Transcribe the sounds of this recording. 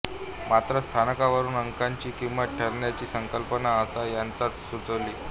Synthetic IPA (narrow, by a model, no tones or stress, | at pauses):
mat̪ɾəst̪ʰanəkaʋəɾuːnəŋkaɲt͡ɕiːkimbəʈ̚ʈʰəɾɳjat͡ɕiːsəŋkəlpənaəsajant͡sat̪sut͡səʋliː